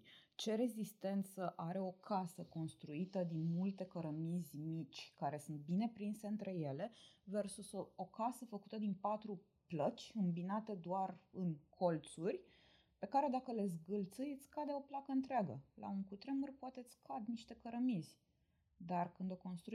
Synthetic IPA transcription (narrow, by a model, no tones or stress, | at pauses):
t͡ʃe̞ɾe̞zist̪e̞nt̪səʔaɾe̞o̞kʰasəko̞nst̪ɾuit̪əd̪inmult̪e̞kəɾəmizʲmit͡ʃʲkaɾe̞sunt̪̚bine̞pɾinse̞ɨnt̪ɾe̞je̞le̞ve̞rsuso̞kasəfəkut̪əd̪inpat̪ɾu | plət͡ʃʲɨmbinat̪e̞d̪oarɨnkʰo̞lt̪surʲ | pe̞kaɾe̞d̪akəle̞zɡɨlt̪sɨjet̪sʲkad̪eo̞plakəɨnt̪ɾeaɡə̰la̰ɨŋkut̪ɾe̞murʲpoat̪e̞t̪sʲkʰad̪niʃt̪e̞kəɾəmizʲ | d̪arkɨnd̪o̞ko̞nst̪ɾu